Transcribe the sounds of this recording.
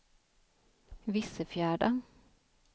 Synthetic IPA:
ʋɪsəfjæːɖɑ

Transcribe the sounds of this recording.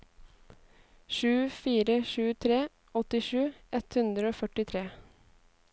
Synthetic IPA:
ʃʉːfiːɾəʃʉːt̪ʰɾeː | ɔt̪ɪʃʉːʔɛt̪hʉnd̪ɾəoːfœʈɪt̪ʰɾeː

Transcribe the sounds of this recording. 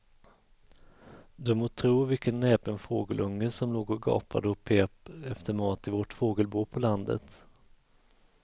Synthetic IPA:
d̪ɵmoːt̪ʰɾuːvɪlkənːɛːpənfoːɡəlʔɵŋːəsɔmloːɡɔɡɑ̰ːpʰa̰d̪əɔpʰːeːpɛft̪əɾmɑːt̪ɪvɔʈfoːɡəlbuːpʰɔland̪ə̰t̪

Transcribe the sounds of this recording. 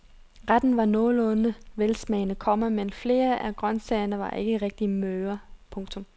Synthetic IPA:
ʁad̥n̩ʋɑ̈nɔːlɔːnəʋelsmɛɪnəkʰɒ̽m̰ɐmenfle̝ːɐʔæɡ̥ʁɶnsɛɪɐnəʋɑ̈ʔe̝ɡ̥əʁɛɡ̥̚d̥imøːɐpʰɔ̽ŋt͡sʰɔ̽m

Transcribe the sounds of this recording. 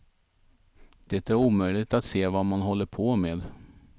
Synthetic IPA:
d̪̥ɛt̪æɾuːmœʏlɪt̪at̪seːvɑːmanɦɔlːəɾpʰɔmeːd̪

